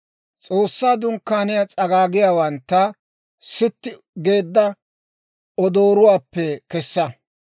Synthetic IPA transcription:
t͡sʼoːsːaːd̪ʊŋkːaːnɪjat͡sʼɐɡaːɡɪjaːwɐnt̪ːɐ | sɪt̪ːɪ | ɡe̞ːd̪ːɐ | ɔd̪oːɾʊwaːpːɛkɛsːɐ

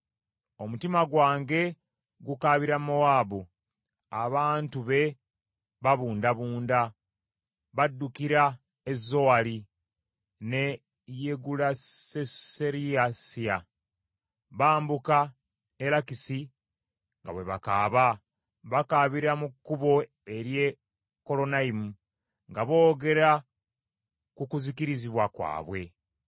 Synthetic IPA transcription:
o̞mutimaɡwaːŋɡe̞ | ɡukaβiɾamoaːbu | aβaːntuβe̞ | βaβuːndaβuːnda | βadːukiɾa | ezːo̞wali | ne̞ | jeɡulaeseɾiasia | βaːmbuka | elakisi | ŋɡa̰βwe̞βa̰kaːβa | βakaβiɾamukːuβo̞ | e̞ɾje | ko̞lo̞naimu | ŋɡaβo̞ːɡe̞ɾa | kukuzikiɾiziβwakwa̰ːβwe̞

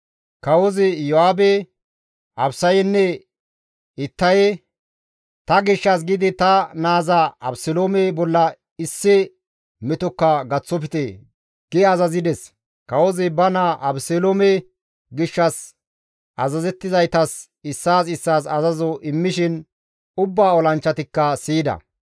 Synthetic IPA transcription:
kɐwɔzɪjɔhaːbɛ | ɐbsɐjɛnːɛ | ɪt̪ːɐj | t̪ɐɡɪʃːɐs̬ɡɪd̪ɪt̪ɐnaːzɐɐ̰bsɛloːmɛbɔlːɐ | ɪsːɪ | mɛt̪ɔkːɐɡɐt͡sːɔp̬ɪt̪eː | ɡ̥ɪɐzɐzɪd̪ɛs | kɐwɔzɛbɐnaʔɐbseloːmɛ | ɡɪʃːɐs | ʔɐzɐzɛt̪ːɪzɐjt̪ɐs | ɪsːaːsɪsːaːsɐzɐzɔʔɪmːɪʃɪn | ʊbːaːɔlɐnt͡ʃːɐt̪ɪkːɐsiːd̪ɐ̰

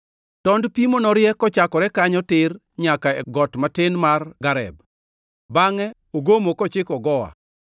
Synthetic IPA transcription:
tɔndpimonɔɾjɛkɔt͡ʃakɔɾɛkaɲɔtɪr | ɲakaɛɡɔtmatɪnmarɡaɾɛ̰b̚ | baŋɛ | oɡomokɔt͡ʃɪkɔɡɔwa̰

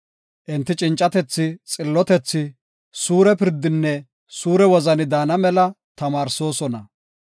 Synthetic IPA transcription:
ʔɪnt̪ːɪt͡ʃʼɪnt͡ʃʼːɐt̪ɛt͡sːɪt͡sʼɪlːɔt̪ɛt͡sːɪ | suːɾɛpɪɾd̪ːɪnːɛ | suːɾɛwɔzɐnɪd̪aːnɐmɛlɐ | t̪ɐmaːɾso̞ːsɔnɐ

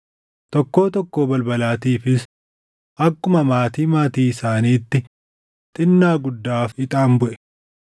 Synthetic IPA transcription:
t̪ɔkːo̞ːt̪ɔkːo̞ːbɐlbɐlaːt̪iːfɪs | ʔɐkːʊmɐmaːt̪iːmaːt̪iːɪsaːniːt̪ːɪ | t̪ʼɪnːaːɡʊd̪ːaːfɪt̪ʼaːmbʊʔɛ̥

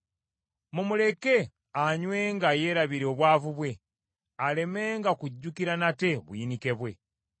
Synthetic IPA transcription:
mumule̞ke̞ | aɲwe̞ːŋɡaje̞ːɾaβiɾeoβwaːvuβwe̞ | ale̞me̞ːŋɡakuɟːukiɾanate̞βuinike̞βwe̞̰

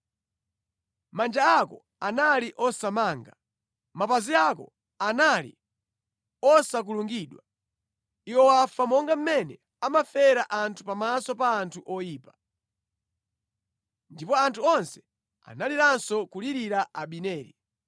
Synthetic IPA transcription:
mand͡ʒaakɔ̰ | analiʔɔsamaːŋɡa | mapaziakɔ̰ | analḭ | ɔsak̬uluŋɡiːɗwa | iwɔwafamɔŋɡam̩mɛnɛ | amafɛɾaʔantʰupamasɔpaːntʰuʔɔjiːpa | ndipɔantʰuɔnsɛ̥ | a̰naliɾansɔkuliɾiɾaʔaɓinɛːɾi

